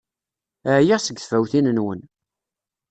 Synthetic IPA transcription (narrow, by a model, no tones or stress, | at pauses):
ʕjiʁsəɡθfæwθinənwən